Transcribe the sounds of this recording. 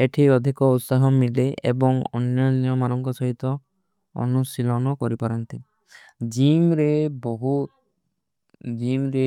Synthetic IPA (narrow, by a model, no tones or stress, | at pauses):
eʈʰiɔd̪ʱikɔut̪saɦɔmileʔḛbɔŋɔ̰njɔnijɔmanɔŋkɔsɔɦit̪ɔ | ɔ̰nusilɔnɔkɔɾipaɾɔnt̪i | d͡ʒimɾebɔɦut̪ | d͡ʒimɾe